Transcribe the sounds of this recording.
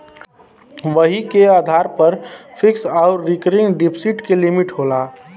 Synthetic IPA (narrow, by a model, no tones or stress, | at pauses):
ʋəɦikeaːd̪ʱaːɾpəɾpʰɪksaːʊɾːɪkəɾɪ̃ŋɡɖɪpʰsiʈkelɪmɪʈɦoːlaː